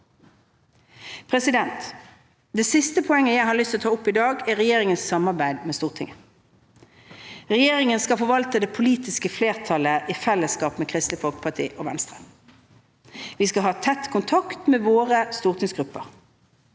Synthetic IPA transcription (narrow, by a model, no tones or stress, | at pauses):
pʰʁɛsɪd̪ɛnt̪ | d̪ɛːsɪst̪əpʰɔɛŋːəjæɪhɑʁlʏst̪ɔt̪ʰɑːʊpːɪd̪ɑːɡæʁɛjeːʁɪŋənssɑmɑʁbæɪd̪meːst̪uːʁt̪ʰɪ̰ŋə | ʁɛjeːʁɪŋənskɑfɔʋɑlt̪əd̪ɛpʰʊliːt̪ɪskəfleːʁt̪ʰɑləʔiːfɛlːəskɑːpmeːkʰʁɪst̪ləfɔlkə̥pʰɑt̪ʰḭːʔɔːʋɛ̰nst̪ʁə̥ | ʋiːskɑɦɑːt̪ʰɛt̪kʰʊnt̪ʰɑkt̪meːʋoːʁəst̪uːʁt̪ʰɪŋsɡʁʉpːə̰ʁ